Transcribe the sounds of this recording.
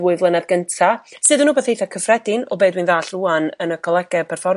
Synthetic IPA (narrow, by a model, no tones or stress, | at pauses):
wʊɨðlˠənaðɡəntʰasɨːðənːuːbeːθhejθakʰəfrɛdɪnɔ̰beːdwinðaːɬuːanənəkʰɔlˠɛɡ̥ɛpʰɛrfɔr